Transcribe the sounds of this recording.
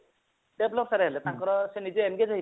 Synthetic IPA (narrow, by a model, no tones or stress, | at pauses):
ɖɛblɔp̚saɾɛɦɛlɛtaŋkɔɾɔsɛnid͡ʒɛːnɡed͡ʒaɦi